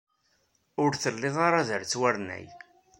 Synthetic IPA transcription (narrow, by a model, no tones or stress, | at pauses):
ʊɾθəlːɪðˤɑɾaðəɾt͡sːwæɾnæ̰j